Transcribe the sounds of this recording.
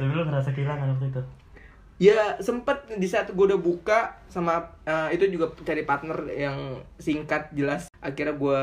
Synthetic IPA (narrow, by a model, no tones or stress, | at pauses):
bilʊŋɾasakilaŋant̪it̪ʊt̪̚ | jasəmpət̪̚disaːt̪̚ɡuaudahbukasamaəit̪ud͡ʒuɡat͡ʃaɾipat̪nərjaŋsiŋkat̪̚d͡ʒəlasʔakirɲaɡua